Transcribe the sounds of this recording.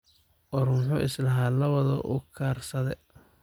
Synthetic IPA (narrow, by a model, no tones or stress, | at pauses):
ʔɔruːmħʊʔɪslɐɦaːlɐβɐðɔ̰ʔʊ̰kʰaːrsɐðɛ